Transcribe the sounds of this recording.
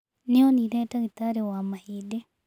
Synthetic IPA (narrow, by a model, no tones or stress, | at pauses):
neoniɾetaɣit̪aɾewamahide